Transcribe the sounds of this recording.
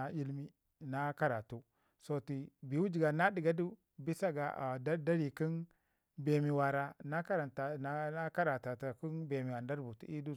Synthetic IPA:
a˨i˦lmi˦ | na˦ka˦ɾa˨tu˦ | so˦ti˨bi˨wu˦d͡ʒi˨ɡa˨na˦di˨ɡa˦du˦ | bi˦sa˦ɡa̰˨ʔda˦da˦ɾi˨ki˦n | be˨mi˨wa˨ɾa˨na˦ka˦ɾa˨nta˨˦a˦ka˦ɾa˨ta˨ta˨ku˦nbe˨mi˨wa˨nda˦ɾbu˨tḭ˦i˦du˦

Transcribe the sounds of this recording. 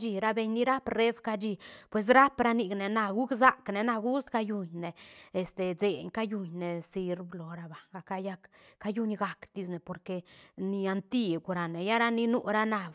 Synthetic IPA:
d͡ʒi˧ɾa˦be˧ɲni˦ɾa˦pre˦fka˦d͡ʒi˧pwe˨s̬ɾa˦pɾa˦ni˧ɡne˨na˧ɡu˦kza˦kne˨na˧ɡu˦st̪ka˦ju˧ɲne˨e˨st̪e˨ze˨ɲka˦ju˧ɲne˨si˧ɾblo˨ɾa˧ba˨ɡa˨ka˧ja˦k | ka˦ju˦ɲɡa˨kd̪i˧sne˨po˨ɾke˧ni˧a˧nt̪i˦ɡu˧ɾa˨ne˨ja˦ɾa˦ni˦nu˦ɾa˦na˧b

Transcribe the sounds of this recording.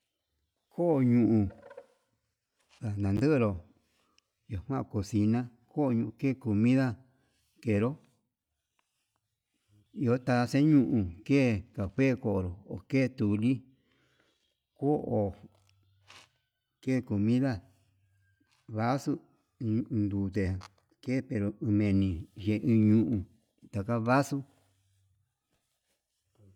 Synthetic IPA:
kʰo˦ʔɲũ˧˨ʔũ˧ | ða˨nã˨nd̪ɨ˦ʔɾo˨ | jo˨hwã˦˧˨ko˨si˧nã˦ | ko˦˧ɲũ˧ʔke˦˨ko˨mĩ˦ða˦ | ke˨ɾo˦ | i˧o˦t̪a˧sẽ˦ɲũ˧ʔũ˧ke˦˨ka˨hwe˦˨ko˨ʔɾo˨o̰˨ke˦˨t̪u˨li˦ | ko˦ʔo˨ | keː˦˨ko˨mĩ˦ða˦ | βa˦su˦ | nd̪uː˨t̪e˨ | ke˦˨pe˧ɾo˨ɨ̃˧mẽ˧nĩ˨ʒe˨˧ʔĩ˧ɲũ˧ʔũ˧˨ | t̪a˨ka˦βa˦su˦

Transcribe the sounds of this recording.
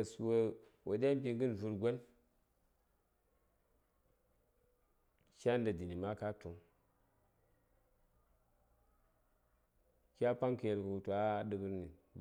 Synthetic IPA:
su˨wo˦ | wʔo˨dʲa˦m˦pi˦ŋɡɨ˦n˨vu˨ɾɡʷo˦n | ʃa˦n˦da˨di˨ni˨ma˦ka˦tʰo˨ŋ | kʲa˦pa˦ŋka˨je˨lku˨u˨tu˨a˦ɗɨ˨kɨ˦ɾni˨

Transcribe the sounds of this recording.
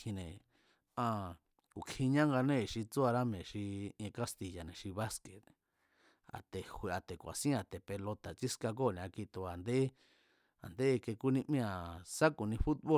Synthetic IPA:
ĩ˧nẽ˨ | ã˧ | ku˨kʰi˧ɲã˦ŋɡa˧nẽ˦˨ʃi˧t͡su˦a˧ɾa˦mẽ˨ʃĩ˧ka˦st̪i˨ja˨nẽ˨ʃi˧βa˦ske˨t̪ | a̰˨t̪e˨hwi˧a˨t̪e˨kʷa̰˨sĩ˦a˨t̪e˨pe˧lo˧t̪a˨t͡ʃi˦ska˧k̬o˦˨nẽ˨a˧ki˧t̪u˧a˨nd̪e˦ | a̰˨nd̪e˦˧ke˧ku˦nĩ˧ʔmĩ˦ã˨sa˦ku˨nĩ˧fu˦t̪̚βo˦

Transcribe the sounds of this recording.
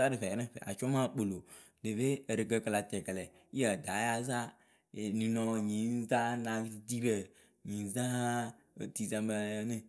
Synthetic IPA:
a˦ɾe˨ɸɛ˨nẽ˦ɸɛ̰˨a̰˨t͡ʃɔ˦mã˦˨k͡po˨lo˨ | de˨βe˦e˨ɾe˨kə˧kla˨t̪ɛ˨klɛ˨ | i˦e˦˨d̪a˨˦ja˨za˦ | e˨nĩ˨nɔ̃˨˧ɲĩ˨˦n˦za˦nã˨˦ti˨ti˦ɾe˨ | ɲĩ˨˦za˦ḛ˨ti˨za˨me˨nẽ˦

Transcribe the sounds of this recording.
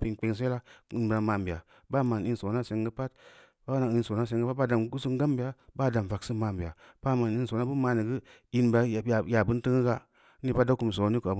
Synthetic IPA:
pi˧ŋk͡pe˧ŋs̬e˦la˦i˧n˨ba˧ma˨m˨bi˨a̰˨ | ba˦ma˨n˨i˧n˦so˨˦na˦se˧ŋɡɨ˦pa˦t | ba˦na˨i˧nso˨˦na˦s̬e˧ŋɡp̚ba˦da˨m˦ɡu˦su˦ŋ˦ɡa˦mbi˨a˨ba˦˨da˨m˨va˨ksɨ˦ma˨m˨bi˨a˨ | b̥a˦ma˨n˨i˧nso˨na˦bɨ˦ma˧ni˨ɡɨ˦ | i˧nba˧˨a˨ja˨bɨ˦n˦tɨ˦ŋɨ˦ɡa˦ | i˦pa˦da˦ku˨m˨s̬o˨˦ni˦ka˨b

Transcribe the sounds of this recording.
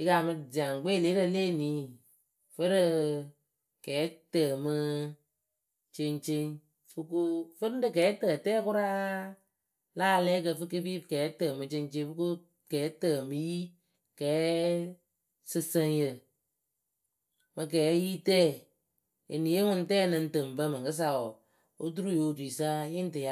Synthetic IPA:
i˧ka˨mɨ˧d͡ʒi˨a˨ŋ˨ɡ͡beː˦˨le˨˦ɾə˧leː˦˨niː˨˦ | fə˦ɾɨ˧ | kɛː˨˦təː˨mɨ˧ | t͡ʃe˧nt͡ʃe˧ŋ | fɨ˧ku˧fɨ˦dɨ˨kɛː˨˦tə˨tɛː˦kʊ˦ɾa˦ | laː˦˧lɛː˦k̬ə˧˨fɨ˧˦ke˧˦fi˦˨kɛː˨˦təː˨mɨ˧t͡ʃe˧nt͡ʃe˧˦fɨ˦ku˦ | kɛː˨˦təː˨mɨ˦ji˦ | kɛː˨˦ | sɨ˧sə˧ŋ˦jə˨ | mɨ˧k̬ɛː˨˦ji˦tɛː˦˨ | ḛ˨ni˨e˦ŋʊ˦n˦tɛː˦˨nɨ˧n̩˦tɨ˨m˨bə˦mɨ˨kɨ˦s̬a˨ɔ˨ | o˦t̬u˦ɾu˦˨jo˨di˨sa˦jɪ˦n˦tɨ˨ja˦

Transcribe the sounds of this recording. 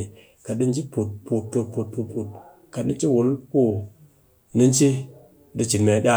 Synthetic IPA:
i˨ | ka˨di˦nd͡ʒi˦po˨t̚po˨t̚po˨t̚po˨t̚po˨t̚po˨t̚ | ka˨ɗi˦nt͡ʃi˦wu˨lku˦ | ni˦nt͡ʃi˦ | di˧t͡ʃi˨nme˨ɗʲa˦

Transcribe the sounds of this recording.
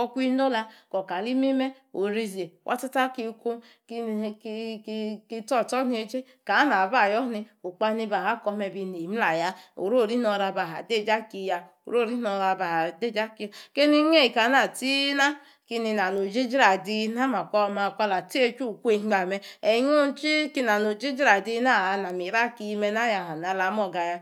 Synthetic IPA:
ɔ˧kʷi˦no˦la˧kɔ˨ka˨li˦mi˦mɛ˦ | o˨ɾi˧ze˨wʔa̰˦ta˦ta˦ki˧ko˦ | kki˧tɔ˦˨tɔ˦ni˦e˧˦d͡ʒe˦ | ka˨˦na˨ba˦˨jɔ˦ni˧o˨k͡pa˧˦ni˧ba˨ɦa˦kɔ˧mɛ˧bi˧ni˨m̩˦la˨ja˧˦o̰˨ɾo˦˨ɾi˦nɔ˧ɾa˧ba˨a̰˨de˦˨d͡ʒa˦ki˧˨ja˧ | o̰˨ɾo˦˨ɾi˦nɔ˧ɾa˧ba˨de˦˨d͡ʒa˦ki˧˦ke˦ni˧˦ŋ˦e˦˨i˨ka˨˦na˨ti˦na˦ | ki˧ni˧na˨no˨d͡ʒi˦d͡ʒɾa˨di˧na˦ma˨kʷɔ˧ma˧˨kʷa˧la˨ti˦e˧t͡ʃu˦˨ku˦e˦˧˦ɡ͡ba˨mɛ˧ɛ˨˦ɲo˦n˦t͡ʃi˦ki˧na˨no˨d͡ʒi˦d͡ʒɾa˨di˧˦na˦˨˧na˨mi˨ɾa˦ki˧mɛ˧na˦ja˧˨ɦa˨na˨˦la˨˦m˦ɔ˦˧˨ɡa˧ja˧

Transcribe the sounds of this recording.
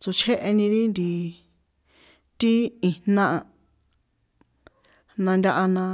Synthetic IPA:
t͡su˧t͡ʃʰe˦ʔe˧nĩ˧ɾi˦nd̪i˧ | t̪i˦i˧nã˦ʔa˧ | nã˧nd̪ʲa˧ʔa˧nã˧

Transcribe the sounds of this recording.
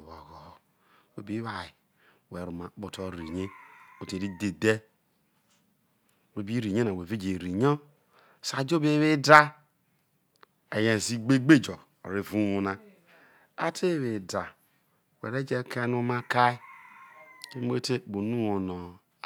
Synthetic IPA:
βo˨ɣo˨ | we˦bi˦βa˨i˨ | we˨ɾu˨ma˨˦k͡po˨to˨ɾi˨ɲe˦o˨te˨ɾi˦de˨de˦ | we˨bi˦ɾi˨ɲe˦na˨we˨ve˦d͡ʒe˨ɾi˨ɲo˦ | sa˨d͡ʒo˦be˨˦βe˦da˦ | e˨je˨zi˦ɡ͡be˦ɡ͡be˦˨d͡ʒo˨ | o̰˨ɾi˨vu˦wu˨na˦ | a˦tʰe˦˨βe˨da˨ | wḛ˨ɾe˦d͡ʒe˦ka˦nu˦ma˦ka˦i˦ | ke˦m˦e˦te˦˨bo˨nu˦wo˨no˨

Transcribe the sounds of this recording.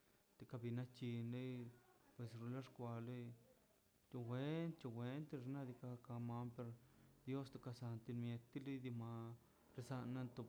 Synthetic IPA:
t̪e˨ka˧bi˧na˦t͡ʃi˧nle˦jpwe˨sɾu˧la˦ʂkʷa˧le˦ | t͡ʃ̪u˧wʷe˦nt̪t͡ʃo˧xwʷe˧˦nt̪i˧ʐna˧d̪i˧ka˧ka˧ma˧mpe˧ɾd̪jo˦st̪o˧ka˧sa˧nt̪i˧nmje˧t̪ːi˦li˦d̪i˧ma˧ | ɾe˧sa˧nːa˦nt̪o˧

